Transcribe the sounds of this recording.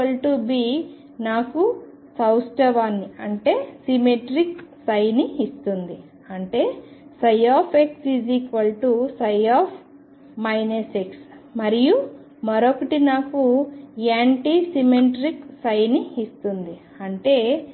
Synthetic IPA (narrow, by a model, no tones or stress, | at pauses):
ɐlʈubiː | naːku | sɐwsʈɐʋaːnːiɐɳʈe̞ːsimeʈɾiksɐjniːst̪und̪i | ɐɳʈe̞ːsɐjaːpʰeksiziːkʋɐlʈusɐjaːpʰ | mɐjneseksmɐɾiju | mɐɾokɐʈinaːkuaːɳʈisimeʈɾiksɐjniːst̪und̪i | ɐɳʈe̞ː